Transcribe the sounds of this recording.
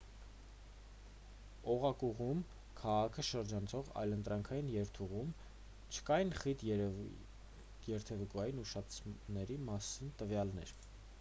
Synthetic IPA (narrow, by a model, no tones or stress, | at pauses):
ɔʁɑkuʁum | kʰɑʁɑkʰəʃəɾd͡ʒɑnt͡sʰɔʁɑ̰jlənt̪ɾɑŋkʰɑjinjɛɾt̪ʰuʁum | t͡ʃʰə̥kɑjinχit̪ | jɛɾt̪ʰɛvukuɑjinuʃɑt͡sʰnɛɾimɑsint̪əvjɑlnɛ̰ɾ